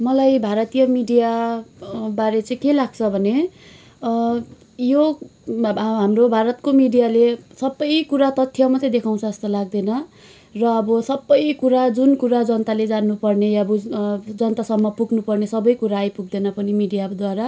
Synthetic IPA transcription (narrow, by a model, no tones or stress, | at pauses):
mʌlajbʱaɾʌt̪ijʌmiɖija | baɾet͡sʌĩkelaɡt͡sʰʌbʱʌne | jo | ɦamrobʱaɾʌt̪komiɖijalesʌbːʌjkuɾat̪ʌt̪ʰːjʌmat͡sʌĩd̪ekʰaw̃t͡sʰʌːst̪ʌlaɡ̚d̪enʌ | rʌːbʌsʌbːʌjkuɾad͡zunkuɾad͡zʌnt̪aled͡zanːupʌrnejaʌbʌd͡zʌnt̪asʌmːʌpuɡnupʌrnesʌbʌjkuɾaːjpuɡ̚d̪enʌpʌnimiɖijad̪waɾa